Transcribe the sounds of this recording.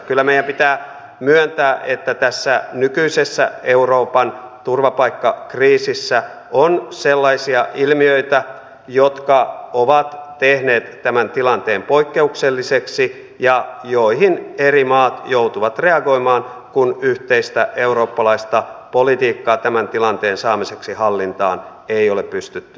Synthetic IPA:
kylːæmeijæmpit̪æː | myønt̪æːʔet̪ːæt̪æsːænykyisesːæ̰euroːpɑnt̪urʋɑpɑikːɑkriːsisːæ | onselːɑisiɑʔilmiøit̪æ | jot̪kɑoʋɑt̪t̪ehne̞ːt̪tæmænt̪ilɑnt̪eːmpoikːe̞ukselːiseksi | jɑjoihinerimɑːt̪jout̪uʋɑt̪reɑɡo̞imɑːn | kunyht̪eist̪æʔeuɾo̞ːpːɑlɑist̪ɑpolit̪iːkːɑːt̪æmænt̪ilɑnt̪eːnsɑːmiseksihɑlːint̪ɑːn | eioleppyst̪yt̪ːy̥

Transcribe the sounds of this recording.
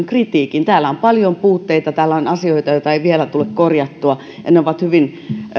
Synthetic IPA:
ŋkrit̪iːkint̪æːlːæompɑljompuːt̪ːeit̪ɑt̪æːlːæonɑsioit̪ɑjoit̪ɑeiʋielæt̪ulekkorjɑt̪ːuɑ | jɑ̰neoʋɑt̪hyʋin

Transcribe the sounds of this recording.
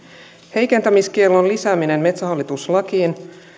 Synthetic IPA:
he̞jke̞nt̪æmiskielːonlisæːmine̞mme̞t̪sæhɑlːit̪uslɑkiːn

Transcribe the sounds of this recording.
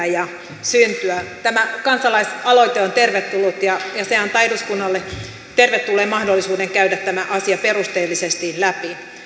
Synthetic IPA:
jɑ | synt̪yæt̪æmækɑnsɑlɑisɑloit̪eont̪erʋet̪ːulːut̪jɑjɑseɑnt̪ɑjduskunːɑlːe | t̪erʋet̪ːulːeːmɑhdolːisuːdeŋkæydæt̪ːæmæʔɑsiɑperust̪eːlːisest̪ilæpi

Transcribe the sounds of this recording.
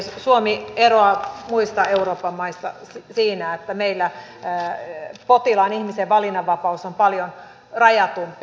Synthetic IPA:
suomieroɑmuist̪ɑeuɾoːpːɑmːɑist̪ɑ̰siːnæet̪ːæmeilːæ | pot̪ilɑnihmiseʋɑlinɑʋɑpɑusompɑljon | rɑjɑt̪ump

